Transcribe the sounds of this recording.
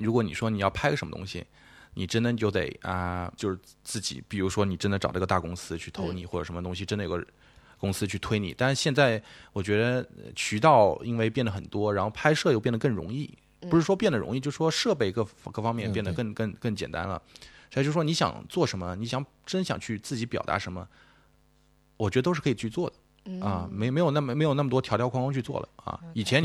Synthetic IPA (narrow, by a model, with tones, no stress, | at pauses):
ɻu˧˥kwɔ˧˥ni˨˩ʂwɔ˥ni˨˩jɑ˥˩ʊpʰa˥ɪə˨˩ʂə˧˥mə˧t̪ʊ̰˥ŋɕḭ˨ | ni˨˩ʈ͡ʂə˥nd̪ə˨t͡ɕjo˥˩ʊt̪ḛ˨˩ɪɐ̰˧t͡ɕjo˥˧ʊʂɻ̩˥t͡sɹ̩˥˩t͡ɕḭ˨˦pi˨˩ɻu˧˥ʂwɔ˥ni˨˩ʈ͡ʂə˥nd̪ə˨˩ʈ͡ʂɑ˨˩d̪ə˧˥˧ə˧t̪a˥˩kʊ˥ŋsɹ̩˥t͡ɕʰy˥˩t̪ʰo˧˥ʊni˨˩xwɔ˥˩ʈ͡ʂə˨˩ʂə˧˥mə˧t̪ʊ˥ŋɕ̬i˨˩ʈ͡ʂə˥nd̪ə˨jo˨˩ɡə˥ | kʊ˥ŋsɹ̩˥t͡ɕʰy˥˩t̪ʰwe˥ɪnḭ˨˩˦t̪a˥˧ʂ̩˥˧ɕjɛ˥˧nt͡sa˥˩ɪwɔ˨˩t͡ɕɥɛ˧˥d̪ə˧t͡ɕʰy˧˥t̪ɑ˥˩ʊi˥nwe˥˧ɪpjɛ˥˩nd̪ə˩xə˨˩nt̪wɔ˥ɻa˧˥nxo˥˩ʊpʰa˥ɪʂɤ˥˧jʊpjɛ˥˩nd̪ə˩kɤ˥˩ŋɻʊ̰˧˥ŋi˥˩ | pu˧˥ʂɻ̩˥˩ʂwɔ˥pjnd̪ə˩ɻʊ̰˧˥ŋi˥˧t͡ɕjo˥˧ʊʂ̩˥˩ʂwɔ˥ʂɤ˥˧pe˥˧ɪkɤ˥˩kɤ˥˩fɑ˥ŋmjɛ˥˧npjɛ˥˩nd̪ə˩kə˥˧ŋkə˥˩ŋkə˥˩ŋt͡ɕjɛ˨˩nt̪a̰˥nlə̰˨swɔ˥˩˧t͡ɕo˥˩ʂɻwɔ˥ni˧˥ɕjɑ̰˨˩ŋt͡swɔ˥˩ʂə˧˥nmə˧ni˧˥ɕjɑ˧˩ŋ | ʈ͡ʂə˥nɕjɑ̰˨˩ŋt͡ɕʰy˥˧t͡sɹ̩˥˩t͡ɕi˧˥pjɑ˨˩ʊt̪a̰˧˥ʂə˧˥nmə˧ | wɔ˨˩t͡ɕɥɛ˧˥də˧o˥ʊʂ̩˥˩kʰɤ˥˨˩t͡ɕʰy˥˧t͡swɔ˥˩d̪ə˩ | ɐ˧me˧˥m˧˥jo˨˩ʊna˥˩mme˧˥ɪjna˥˩mət̪wɔ˥t̪ʰjt̪jʊkʰŋkʊ˥ŋt͡ɕʰy˥˧t͡swɔ̰˥˩lə̰˩ɐ̰˧i˨˩t͡ɕʰjɛ˧˥n